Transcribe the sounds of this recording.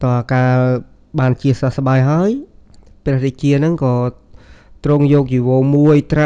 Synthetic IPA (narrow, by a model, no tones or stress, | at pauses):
t̪ɑakaː | ɓaːnt͡ɕiəsasɓaːjɦaəjprɛ̆hɗet͡ɕiənɨŋkɑː | t̪rʊŋjɔːk̚t͡ɕiʋoːmuəjt̪ra